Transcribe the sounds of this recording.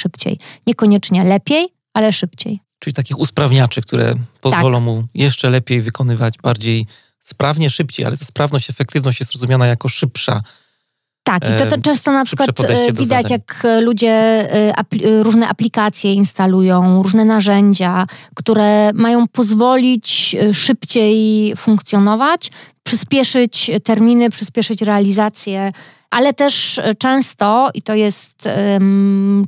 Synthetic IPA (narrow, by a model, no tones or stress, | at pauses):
ʂɘpt͡ɕɛ̰jɲɛkɔɲɛt͡ʂɲɛlɛpʲjej | alɛʂɘpt͡ɕḛj | ʈ͡ʂuit̪akʲixuspɾavɲat͡ʂɨk̚t̪uɾɛ̰pɔzvvɔlɔ̃w̃mujɛʂt͡ʂɛlɛpʲjejvɘkɔnɘvad͡ʑbaɾd͡ʑej | spɾavɲɛʂɘpt͡ɕeja̰lɛt̪aspɾavnɔɕt͡ɕɛfɛk̚t̪ɘvnɔɕt͡ɕjɛst̪ɾɔzumʲjanajakɔʂɘpʂa̰ | t̪akit̪ɔʈ͡ʂɛ̃st̪ɔnapʂkwat̪ɛvʲid̪at͡ɕjaklud͡ʑɛʔa̰pɾuʐnɛʔaplʲikat̪sʲjɛinst̪alujɔ̃w̃ɾuʐnɛnaʐɛɲd͡ʑakt̪uɾɛmajɔ̃w̃pɔzvɔlʲit͡ɕʂɘpt͡ɕejfuŋkt̪sʲjɔnɔvat͡ɕpʂɘspʲjɛʂɘt͡ɕt̪ɛɾmʲinɘpʂɘspʲjɛʂɘt͡ɕɾɛalʲizat̪sʲjɛ | ʔalɛt̪ɛʂt͡ʂɛ̃w̃st̪ɔit̪ɔjɛst̪